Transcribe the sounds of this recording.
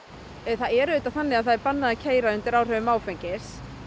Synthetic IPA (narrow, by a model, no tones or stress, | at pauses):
θaðɛɾʏːt̪aθanːɪaðθaðɛɾpanːaðacʰeːjɾaʏnt̪ɪɾawr̥œːvʏmaːwfejɲcɪ̥s